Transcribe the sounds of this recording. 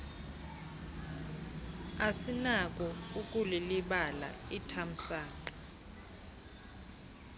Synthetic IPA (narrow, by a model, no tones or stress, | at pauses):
asinak̬ʼɔukʼuliliɓala̰itʰam̩saːkḁ